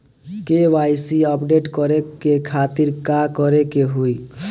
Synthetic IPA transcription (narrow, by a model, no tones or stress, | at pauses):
keʋajsiəpɖeʈkɔɾekekʰat̪iɾkakɔɾekeɦuj